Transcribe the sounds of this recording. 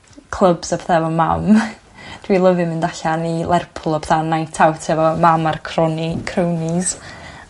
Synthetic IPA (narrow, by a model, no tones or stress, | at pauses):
kʰlˠəbsɔbʰɛθavɔma̰m | d̥wilˠəvɨmɪndaɬanilˠʔˠɛrpʰlˠɔbɛ̥θanajntʰawtʰɛvɔmamarkʰrɔnkʰrəwnɪz